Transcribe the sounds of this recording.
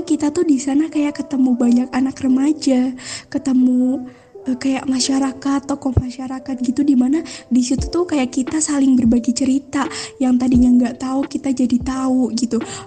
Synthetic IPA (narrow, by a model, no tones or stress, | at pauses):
kit̪at̪uhdisanakajaʔkət̪əmubaɲakanakrəmad͡ʒakət̪əmu | əkajaʔmaʃaɾakat̪ːokɔmaʃaɾakat̪̚ɡit̪udimanadisit̪u̥t̪ukajaʔkit̪asalɪŋbərbaɡit͡ʃəɾit̪ajaŋt̪adiɲaəŋɡaʔt̪aukit̪ad͡ʒadit̪auɡit̪u